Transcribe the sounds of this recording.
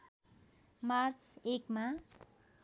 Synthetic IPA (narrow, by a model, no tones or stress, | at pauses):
mart͡sʰekma